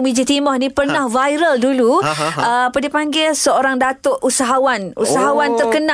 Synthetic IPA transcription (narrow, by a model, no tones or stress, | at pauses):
mĩd͡ʒit̪imɔhnĩpərnahvajɾəlduluəapadipaŋɡɪlsəoɾaŋdat̪oʔusaɦawanṵsaɦawant̪ərkənã